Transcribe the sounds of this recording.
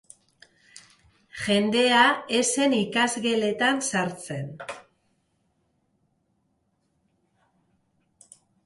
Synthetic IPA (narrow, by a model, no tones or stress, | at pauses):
ʝe̞nd̪e̞ae̞se̞nikazɣe̞le̞t̪ansaɾt͡se̞n